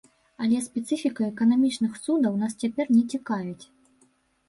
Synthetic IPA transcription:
ɐlʲɛspʲɛt̪sɨfʲikɐɛkɐnamʲit͡ʂnɨxsud̪ɐwnast͡sʲapʲɛrnʲɛt͡sʲikajʲut͡sʲ

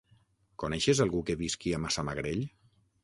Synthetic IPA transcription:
konɛʃezalˠɣukeβiskiamasamaɣɾeʎ

